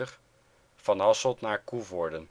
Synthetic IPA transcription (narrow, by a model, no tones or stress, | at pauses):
əχ | fɑnɑsɔlˠtnaːɹkuvɔɹdən